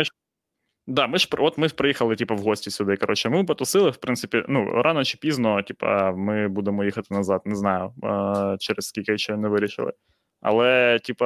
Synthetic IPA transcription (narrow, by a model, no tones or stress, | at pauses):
mɪ | d̪ɑmɪʃpɔt̪mɪpɾɐjixɐlˠɪtʲipɐwɦɔsʲtʲisʲʊd̪ɪkɐɾɔt͡ʃɛmɪpɐt̪ʊsɪlˠɪwpɾɪntsɪpʲinṵɾʔɑnɔt͡ʃɪ̥pʲiznɔtʲipɐ̰mɪbud̪emɔjixɐt̪ɪnɐzɑt̪nɛznɑjʊ | t͡ʃɛɾɛsskʲilʲkɪʃɛnɛʋɪɾʲiʃɪ̰lˠɪ̰ | ɐ̰lˠɛtʲipɐ